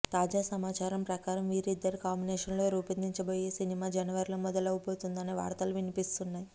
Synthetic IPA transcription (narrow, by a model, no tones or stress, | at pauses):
t̪aːd͡ʒaːsɐmaːt͡ʃaːɾɐmpɾɐkaːɾɐmʋiːɾid̪ːɐɾikaːmbinɛːʂɐnlo̞ːɾuːpind̪iɲt͡ʃɐbo̞ːjeːsinimaːd͡ʒɐnɐʋɐɾilɐmɔd̪ɐlɐʋipoːt̪und̪ɐneːʋa̰ːɾt̪ɐluʋinipist̪unːaːji